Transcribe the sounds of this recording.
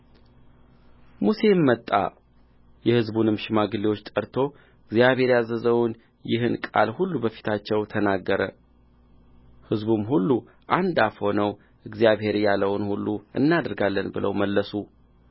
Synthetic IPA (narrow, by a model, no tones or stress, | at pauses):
muse̞mːət̪ʼːa̰ | jɛhɨzbunɨmʃɪmaɡɨliwot͡ʃːt̪ʼəɾt̪ʰo̞ | ɨɡzijaβhe̞ɾjazəzəwn | jɪhɨnkʼa̰lhulːubəfi̥t̪ʰat͡ʃːɛwt̪ʰənaɡːəɾə | hɨzbumɦulːu | ʔand̪afho̞nəw | ʔɨɡzijaβhe̞ɾjaləwnhulːuʔɨ̰nːad̪əɾɡalːənbɨlə̰wməlːəsu